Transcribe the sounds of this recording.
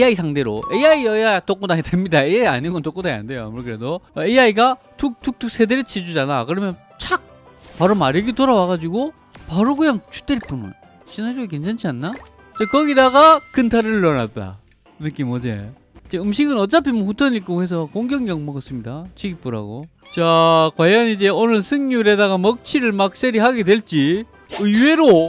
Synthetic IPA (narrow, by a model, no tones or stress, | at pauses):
eaisʰaŋde̞ɾo̰eaiʌiat͈ok͈odaŋidemɲidaejaia̰ɲiɡontok͈odaia̰nde̞joa̰muɾkɯɾe̞doeaiɡa | tʰuk̚tʰuk̚t͈uk̚s͈ʰe̞deɾt͡ɕʰid͡ʑud͡ʑanakɯɾʌmjʌn | t͡ɕʰak̚ | paɾomaɾiɡitoɾawaɣad͡ʑiɡo | paɾoɡujaŋt͡ɕʰu̥t͈eɾip͈unɯ̰n | ɕʰinaɾoɡik̬ent͡ɕʰant͡ɕʰianːa | t͡ɕekʌɡidaɡakɯntʰaɾɯɭɭːʌnat͈a̰ | nɯk͈imʌd͡ʑḛ | id͡ʑe̞ɯmɕʰiɡɯnʌt͡ɕ͈apʰimuɸutʰʌɲik͈ohes̬ʰʌkoŋɡjʌŋjʌŋmʌɡʌs͈ɯmɲidat͡ɕiɡip͈uɾɦa̰ɡot͡ɕakwajʌnid͡ʑe̞onɯɭsʰɯŋɲuɾe̞daɣamʌk̚t͡ɕʰiɾɯɭmak̚s͈eɾiɦaɡedwe̞ɭt͡ɕ͈i | ɯiwe̞ɾo